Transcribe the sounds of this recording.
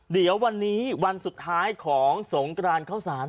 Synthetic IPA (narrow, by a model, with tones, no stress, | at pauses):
di˩˦əwa˧nːiː˦˥wa˧nsu˨˩t̪ʰːaː˦˥jkʰɔː˩˦ŋso˩˦ŋkɾaː˧nkʰaː˥˩saː˩˦n